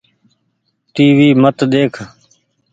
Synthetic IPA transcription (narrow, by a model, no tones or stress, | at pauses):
ʈiːʋiːmət̪d̪eːkʰ